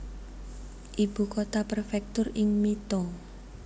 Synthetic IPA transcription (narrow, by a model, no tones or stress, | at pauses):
ʔib̥ṳkot̪apərfɛk̚t̪ʊrɪŋmit̪ɔŋ